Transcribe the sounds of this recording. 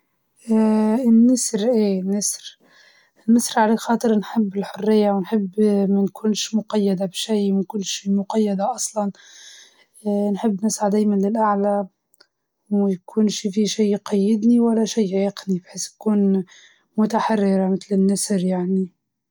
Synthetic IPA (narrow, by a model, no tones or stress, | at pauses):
ɪnːɪsɾʔeːnːɪsɾ | ɪnːɪsɾʕaleːkxɑːt̪ˤɨɾnħɪbːɪlħʊrːɪjːawnħɪbːmænkʰʊːnʃmʊqɑjːad̪abʃiːwɪnkʊnːʃiːmʊqɑjːad̪aʔɑsˤlɑn | nħɪbːnɪsʕad̪æːjmanlɪlʔaʕla | wjkʰuːnʃifiʃiːqɑjːɪd̪niwalːaʃiːʕiːqnibħeːsnkuːn | mʊt̪aħarːɪɾamɪt̪lɪnːɪsɾjaʕni